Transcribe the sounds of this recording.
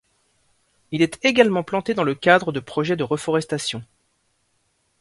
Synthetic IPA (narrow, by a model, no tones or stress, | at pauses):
ilɛt̪eɡalmɑ̃plɑ̃t̪ed̪ɑ̃ləkʲad̪ʁəd̪əpχɔʒɛd̪əʁəfɔʁɛst̪asjɔ̃